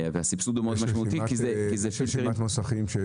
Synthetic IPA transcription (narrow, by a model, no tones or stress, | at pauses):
veasipsud̪omeod̪maʃmaut̪imatkizkizɛʃiʃmat̪mosaχimʃe